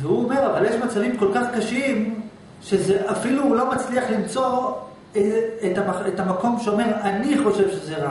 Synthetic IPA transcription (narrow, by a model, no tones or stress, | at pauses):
vehuome̞ʁavaljeʃmat͡savimko̞lkaχkaʃim | ʃezeʔafilulo̞mat͡sliaχlimt͡so̞ | eetamaetamako̞mʃeome̞ʁaniχo̞ʃe̞vʃezeʁa